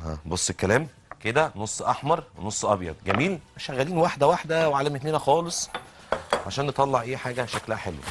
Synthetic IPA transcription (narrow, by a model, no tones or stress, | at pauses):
hæ̰bosˤːekælæːm | ked̪ænosˤːʔɑħmɑɾˤwenosˤːʔɑbjɑ̰d̪̚ˤɡæmiːlæʃæɣːæliːnwaħd̪æwaħd̪æweʕalæmet̪neːnæxɑːlesˤ | ʕaʃæːnːet̪ˤɑlːɑʕʔeːħaːɡæʃæklæhæħelwæ̰